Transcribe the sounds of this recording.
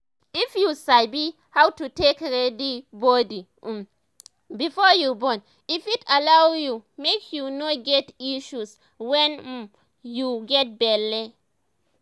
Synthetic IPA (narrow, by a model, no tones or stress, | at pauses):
ifjusaɪbi | hawtutekɹɛdibɔdi | bifɔjubɔ̃n | ifitalawjumekʰjunoɡɛtiʃus | wɛ̃n̩ | juɡɛt̚bɛli